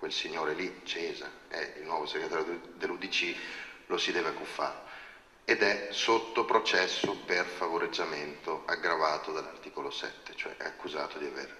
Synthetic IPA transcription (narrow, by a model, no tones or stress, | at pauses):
kwelsiɲːoːɾelit͡ʃɛːza̰ɛilnwɔvoseɡɾet̪aːɾjod̪elːud̪it͡ʃilosid̪ɛːveakːufːa̰ːɾ | ed̪ɛsot̪ːopɾot͡ʃɛsːoperfavoɾed͡ʒːament̪oaɡɾavaːt̪od̪alːa̰rt̪iːkolosɛ̰t̪ːe̥t͡ʃoɛ̰ʔɛ̰akːuzaːt̪od̪iavḛːr